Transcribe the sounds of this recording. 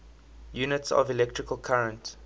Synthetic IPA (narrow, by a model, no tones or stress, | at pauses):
juːnɪtsɔ̰vilɛk̚tʰɹ̥ɪkʰəlkʰaɹə̃nt